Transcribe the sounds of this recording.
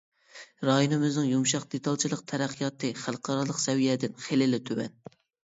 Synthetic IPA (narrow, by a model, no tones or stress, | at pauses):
ɾɑjonɨmɪznɨŋjumʃɑq̚d̪et̪ʰɑlˠt͡ʃʰilˠəqt̪ʰæɾæqʰːijɑt̪ʰɨχælˠəqʰɑɾɑlˠəqsɛwijɛd̪ɪnχelɪlɪt̪ʰøwɛ̰n